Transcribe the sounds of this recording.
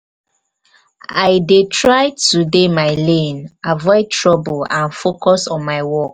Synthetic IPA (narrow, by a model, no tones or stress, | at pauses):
aɪdetʰɹaɪtudemaɪlẽnavɔɪtʰɹɔbulãnfokʰɔsɔ̃nmaɪwɔk